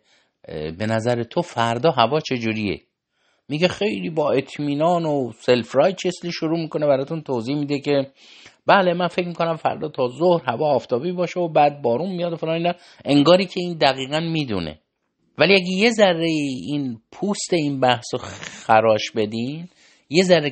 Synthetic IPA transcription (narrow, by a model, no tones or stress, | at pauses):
be̞næzæɾet̪ʰofæɾd̪ɒːɦævɒːt͡ʃʰe̞d͡ʒuːɾiḛ | miɟexe̞jliːbɒːe̞t̪ʰmiːnɒːnose̞lfɾɒjt͡ʃʰesliːʃoɾuːmiːkonebæɾɒt̪unt̪ʰoːziːhmid̪ecʰe̞ | b̥æːle̞mænfe̞cmikʰonæmfæ̰ɾd̪ɒːt̪ʰɒːzohɾhævɒːft̪ʰɒːbibɒːʃeobæːd̪̚bɒːɾunmijɒːd̪ofelɒːniːnɒ | e̞ŋɡɒːɾiːcʰe̞iːnd̪æɣiːɣænmiːd̪ṵnḛ | væliæɡeje̞zærːeiinpʰuːst̪e̞inbæhsoxæɾɒːʃbe̞d̪in | je̞zæɾːe